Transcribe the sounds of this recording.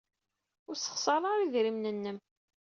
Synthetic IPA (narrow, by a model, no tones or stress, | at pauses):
ʊɾsə̥χsˤɑɾˤɑɾˤiðɾimnənːəm